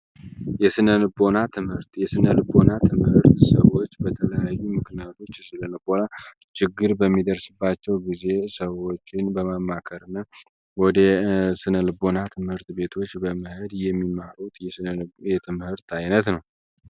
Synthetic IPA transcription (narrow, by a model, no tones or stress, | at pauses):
jɛsɨnəlbo̞nat̪ʰɨmhɨɾt̪jɛsɨnəlɨbonat̪ʰɨmhɨɾt̪səwo̞t͡ʃːbət̪ʰələjajːumɨknijat̪ʰo̞t͡ʃːsɨləlɨbo̞na | t͡ʃɪɡːɨɾbəmːid̪əɾsɨbːat͡ʃːɛwɡize̞səwːo̞t͡ʃːɪnbəməmːakʰəɾɨnːa | wɔd̪əsɨnəlɨbo̞nat̪ʰɨmhɨɾt̪be̞t̪ʰo̞t͡ʃːbəmɨhɨd̪jɛmːimːaɾut̪jɛt̪ʰɨmhɨɾt̪ajnət̪nəw